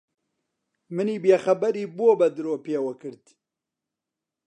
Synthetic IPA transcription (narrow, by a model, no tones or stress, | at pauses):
mɨniːbeːxɐbɐɾiːbooːbɐd̪ɨɾoːpeːwɐkɨɾd̪